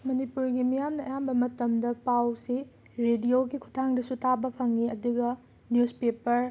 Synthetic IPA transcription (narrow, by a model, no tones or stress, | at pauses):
mɐnipuɾɡimijamnɐɐjambɐmɐtɐmdɐpawsi | ɾedijoɡikʰu̥tʰaŋdɐsutʰabɐpʰɐŋːiɐduɡɐ | njuspepɐɾ